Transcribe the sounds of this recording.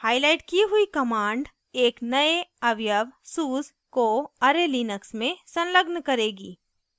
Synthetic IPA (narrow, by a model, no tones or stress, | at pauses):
haːɪlaːɪʈkiɦʊikɐmãːɳɖ | eːknɐeɐʋjəʋsuːz | koɐɾeliːnəksmẽsɐ̃nləɡnkɐɾeːɡḭː